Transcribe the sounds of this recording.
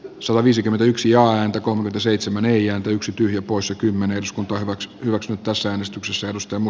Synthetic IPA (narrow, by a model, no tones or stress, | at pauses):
sɑt̪ɑʋiːsikyment̪æyksijɑːæːnt̪ækolmekyment̪æseit̪semæneˑijæːnt̪æyksit̪yhjæpoissekymːeneerduskunt̪ɑːhyʋækshyʋæksynyt̪t̪æsːææːnest̪yksesːæerdust̪ɑjɑmu